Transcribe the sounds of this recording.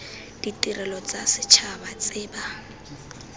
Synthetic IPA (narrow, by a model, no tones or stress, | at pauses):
d̥itʼirɛlɔt͡sʼasɪt͡ʃʰabat͡sʼɪːba